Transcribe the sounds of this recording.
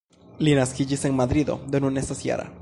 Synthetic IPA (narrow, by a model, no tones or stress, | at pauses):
linaskid͡ʒiseŋmad̪ɾid̪o̞̰d̪onunesasja̰ɾa̰